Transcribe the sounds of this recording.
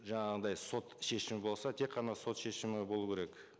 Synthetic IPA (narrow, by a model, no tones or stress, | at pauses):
ʒɑɴɑʁəd̪ɑjso̞t̪ʃe̞ʃɪmɪbo̞lˠsɑt̪ʰe̞kqʰːɑnɑso̞t̪ʃe̞ʃɪmɪbo̞lˠukʲʰe̞ɾe̞k